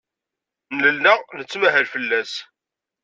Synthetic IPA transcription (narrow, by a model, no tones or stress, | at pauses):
nləlːəʁnət͡sːmæɦəɾfəlːæs